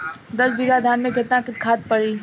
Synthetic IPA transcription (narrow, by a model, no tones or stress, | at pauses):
d̪ɐsbiːɡad̪ʱaːnmẽkɪt̪nãkɪt̪kʰaːt̪̚pəɽiː